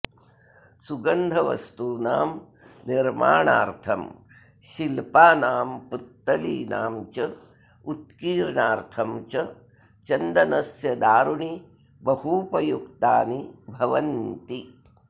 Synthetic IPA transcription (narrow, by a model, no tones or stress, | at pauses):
suɡɐnd̪ʱɐʋɐ̰st̪uːnaːm | niɾma̰ːɳa̰ːɾt̪ʰɐm | ʃilpaːnaːmput̪ːɐlḭːna̰ːmt͡ʃɐ | ut̪kiːɾɳaːɾt̪ʰɐmt͡ʃɐ | t͡ʃɐnd̪ɐnɐsjɐd̪aːɾuɳi | bɐhupɐjukt̪aːnibʱɐʋɐnt̪i